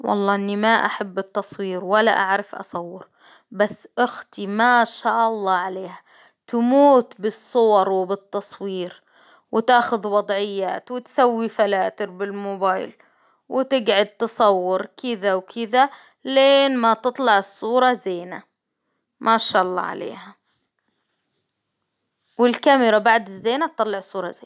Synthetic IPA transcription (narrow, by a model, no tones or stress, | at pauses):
wɑ̰lˤːɑːʔɪnːimaʔa̰ħabːɪt̪ːɑsˤwiːɾwalːa̰ʔaʕɾɑfʔɑ̰sˤɑwːɪɾ | basːʔʊxt̪imaʃaːʔɑlˤːɑːʕaleːha | t̪muːt̪bɪsˤːʊwɑɾˤwɪbɪt̪ːɑsˤwiːɾ | wɪt̪aːxʊðwɑd̪ˤʕɪjːa̰ːt̪wɪt̪sawːifalaːt̪ɪɾbɪlmʊbaːjl | wɪt̪ɪɡʕʊd̪̚t̪ɨsˤɑwːʊɾkɪðawkʰɪða | leːnmat̪ɨt̪ˤlɑʕɨsˤːuːɾˤɑzeːna | mʔaʃaːʔɑlˤːɑ̰ːʕa̰lḛːha | wɪlkamɾabaʕd̪ɪzːeːnat̪ːɑlːɑʕsˤuːɾˤɑzeːn